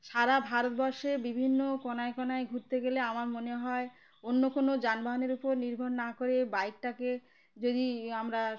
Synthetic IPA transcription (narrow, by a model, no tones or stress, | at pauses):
ʃaɾabʱaɾot̪bɔɾʃebibʱinːokɔnaekɔnaeɡʱuɾt̪eɡeleamaɾmoneɦɔe | onːokonod͡ʑanbaɦoneɾupoɾniɾbʱonnakoɾebajk̚ʈake | d͡ʑod̪iamɾa